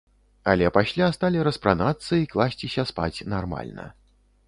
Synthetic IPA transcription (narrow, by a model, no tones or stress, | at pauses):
ɐ̰lʲɛpasʲlʲast̪alʲiɾɐspɾanat̪sːɐiklˠasʲt͡sʲisʲɐspa̰t͡sʲnarma̰lʲnɐ̰